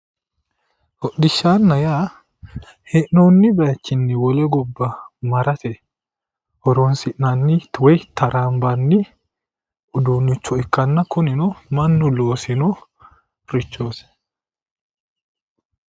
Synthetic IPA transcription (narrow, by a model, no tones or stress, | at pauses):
hɔɗdɪʃːaːnːɐjaː | hɛʔnoːnːɪbɐjɐt͡ʃːɪnːɪwɔlɛɡɔbːɐmɐɾɐt̪ɛ | hɔɾoːnsɪʔnanːiwɛjt̪ʰɐɾʔaːmbɐnːi | ʔʊd̪uːnːɪt͡ʃːɔɪkːɐnːɐkʊnɪnɔmɐnːʊloːsɪnɔ | ɾɪt͡ʃːoːsɛ̥